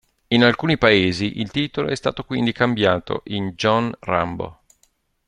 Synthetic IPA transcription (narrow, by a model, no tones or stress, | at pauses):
inalkuːnipaeːziʔilt̪iːt̪olo̰ɛst̪aːt̪okwind̪ikambjaːt̪o̰ʔind͡ʒɔnra̰mbo̰